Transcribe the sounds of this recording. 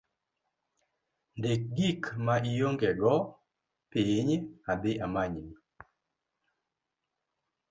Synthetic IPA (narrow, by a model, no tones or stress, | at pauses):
ndek̚ɡikmaijoŋɡɛɡɔ | piɲabeʔamaɲni